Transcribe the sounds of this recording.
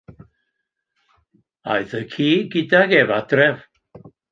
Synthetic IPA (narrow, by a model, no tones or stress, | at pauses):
a̰jθəkʰiːɡɪdaɡɛvad̥rɛv